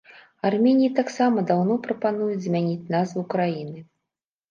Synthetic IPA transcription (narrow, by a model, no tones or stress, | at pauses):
armʲɛnʲijit̪aksamɐd̪awnɔpɾɐpanujud͡zʲzʲmʲanʲit͡sʲnazvɨkɾajinɨ